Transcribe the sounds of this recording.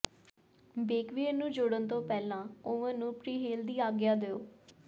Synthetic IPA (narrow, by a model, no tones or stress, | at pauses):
beːkʋiənũːd͡ʒoːɽənt̪õːpɛːlãːoːʋə̃ːnũːpɾiːɦeːld̪iːaːɡjaːd̪eːoː